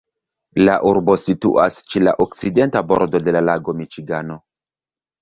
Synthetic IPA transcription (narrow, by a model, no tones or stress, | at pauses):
laʔuɾbo̞sitṵʔast͡ʃela̰ʔok̚t͡side̞ntabo̞ɾdo̞de̞lalaɡo̞mit͡ʃiɡano̞